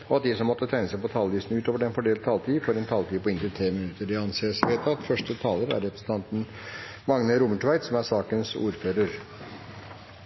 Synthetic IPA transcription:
ɔɑt̪̚d̪isɔmːɔt̪ːət̪ʰæɪnəsæɪpɔt̪ʰɑːlʋiːsnʉːt̪oːʋəɖɛnfɔɖeːlt̪t̪ʰɑːlt̪ʰiːfɔɾɛnt̪ʰɑːlt̪iːpɔɪnt̪ət̪ʰɾeːmɪnʉt̪ːəɾɪɑnseːəsʋeːt̪ɑt̪fœʂʈət̪ʰɑːləɾæ̰ɾɛpɾəsən̩t̪ʰɑnt̪n̩ | mɑŋnəɾuːməʈʋæɪt̪sɔmæɾsɑːkənsṵːɾføːɾəɾ

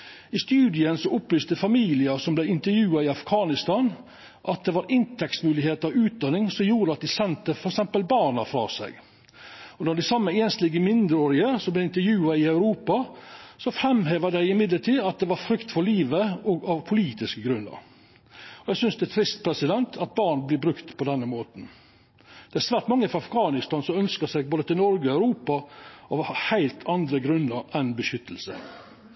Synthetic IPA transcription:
ɪst̪ʉːd̪ɪənsɔʔɔplyːst̪əfɑmiːlɪəsɔmblɛɪnt̪əɾjʉːɑɪɑfɡʰɑːnɪst̪ɑːn | ʔɑt̪̚d̪ɛʋɑɾɪnt̪ʰɛksmʉːlɪheːt̪ɑʋʉːt̪̚d̪ɑnːɪŋsɔmjuːɾəɑt̪̚d̪ɪsɛnt̪əfɔɾɛksɛmpəlbɑːnɑfɾɑ̰ːsæ̰ɪɡ | ɔnɔɖ̪ɪsɑmːəeːnst̪lɪːɡəmɪnd̪ɾəoːɾɪəsɔmblɛɪnt̪əɾjʉːɑɪœʉɾuːpɑsɔfɾɛmheːʋəd̪æɪɪmɪd̪ləʈʰiːdɑt̪̚d̪ɛʋɑɾfɾʏkt̪fɔɭliːʋəɔɡɑʋpʰʊliːt̪ɪskəɡɾʉnːə̰ɾ | ɔjæɡsʏnsd̪ɛæt̪ʰɾɪst̪pʰɾɛsɪd̪ɛnt̪ʰɑt̪̚bɑːɳblɪbɾʉkt̪pʰɔd̪ɛnːəmoːt̪n̩ | d̪̥ɛæɾsʋæːʈmɑŋːəfɔɑfɡɑːnɪst̪ɑːnsɔmœnskəsɛɪɡ̚boːd̪ət̪ʰɪlnɔɾɡəɔæʉɾuːpɑɔhɑhæɪlt̪ʰɑnd̪ɾəɡɾʉnːəɾʔɛnbəʃʏt̪ʰːəl̩sə̰

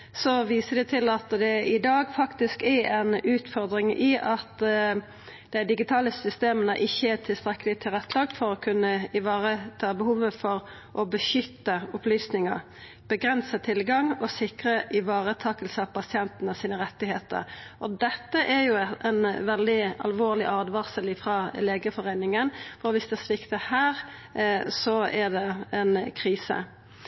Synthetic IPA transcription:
sɔʋiːsəd̪ɛt̪ʰɪlɑt̪d̪ɛɪd̪ɑːɡfɑkt̪ɪskɛɾɛɪnʉːt̪fɔɾd̪ɾɪŋɪʔɑt̪ | d̪̥æɪd̪ɪɡɪt̪ʰɑːləsʏst̪eːmənəʔɪçːəæʈ̪ʰɪlst̪ɾɛkːəlɪt̪ʰɪlʁɛt̪ʰːlɑːɡfɔɾɔkʰʉnːəɪʋɑːʁət̪ʰɑːbəhuːʋəfɔɾ | ʔɔbəʃʏt̪ːəʊplyːsnɪŋəɾ | b̥əɡɾɛnsət̪ʰɪlɡɑŋɔsɪkʁəʔɪʋɑːʁət̪ʰɑːkəlsəɑpɑsɪɛnt̪nəsiːnəʁɛt̪ːɪɦeːt̪ə̰ɾʔɔd̪ɛt̪ːəʔɛɾjʊɛnʋɛld̪ɪɑ̰lʋoːʁlɪʔɑːd̪ʋɑʁsəlɪfʁɑːleːɡəfɔʁeɪnɪŋənfɔɾʋɪsd̪ɛɛsʋɪkt̪əhæːʁ | sɔɛd̪ɛɛnkʰʁiːsə̰

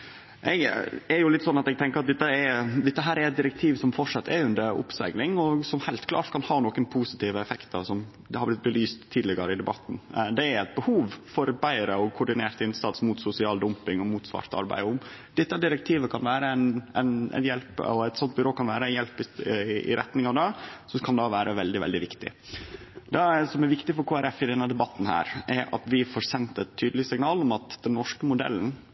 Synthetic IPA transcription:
ʔɛɡɛɾjʊlɪt̪ːsɔnːɑt̪ɛɡ̚t̪ʰɛŋkəɾɑt̪̚d̪ɛt̪ːəɛd̪ɪt̪ːəɦæːɾæɾɛt̪̚d̪ɪɾɛkt̪ʰiːʋsɔmfɔʂɑt̪ːɛʉnd̪əɾʊ̰psæ̰ɡlɪŋɔsɔmhæɪlt̪kʰlɑ̰ːʈkʰɑnhɑːnoːkənpʰuːsɪt̪iːʋəɛfɛkt̪ʰəɾsɔm | hɑblɪt̪̚bəlyːst̪ʰːiːlɪɡəɾəɪd̪ɛbɑt̪ːn̩d̪ɛæɾɛt̪̚bəhuːʋfɔɾbæɪɾəɔkʰʊɖɪneːɾt̪ɪnsɑt̪smuːt̪sʊsɪɑːld̪ʊmpɪŋɔmuːt̪sʋɑ̰ːɾt̪ɑ̰ɾbæ̰ɪʊm | d̪̥ɪt̪ːæɖɪɾək̚t̪ʰiːʋəkʰɑnʋæːɾəɛnæ̰nɛ̰njɛlpɛt̪sɔnt̪̚bɪɾoːkɑnʋæːɾəɛnjɛlpɪɪ̰ɾɛt̪nɪŋɑd̪ɑsɔkʰɑnd̪ɑːʋæːɾʔəʋɛld̪ɪʋɛ̰ld̪ɪʋɪkt̪ɪ̰ | d̪ɛsɔmæɾʋɪkt̪ɪfɔɾkʰuːæɾɛfɪd̪ɛnːəd̪ɛbɑt̪ːn̩hæ̰ːɾʔɛɾɑ̰t̪ʋɪfɔɾsɛnt̪ɛt̪ʰːyːd̪lɪsɪŋnɑːlɔmɑt̪d̪̥ɛnːɔʂkəmʊd̪ɛ̰lːn̩

